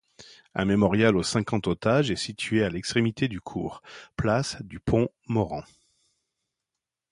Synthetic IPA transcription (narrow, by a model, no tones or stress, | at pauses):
ɛ̰̃memɔʁjalosɛ̃kɑ̃t̪ot̪aʒɛsit̪ʰɥealɛkst̪χemit̪ed̪ykʰṵːʁplasd̪ypʰɔ̃ | mɔʁɑ̰̃